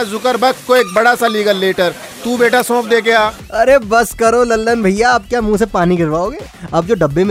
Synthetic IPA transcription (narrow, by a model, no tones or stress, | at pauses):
zʊkəɾbɐkkoeːk̚bɐɽasaliːɡəlːeːʈəɾt̪uːbeːʈasɔ̃ːp̚d̪eːkeaː | ɐɾebɐskɐɾolɐlːənbʱɐɪjaːp̚kjamũsepaːniɡʱɐɾʋaːoːɡeː | ɐp̚d͡ʒoːɖɐbːeme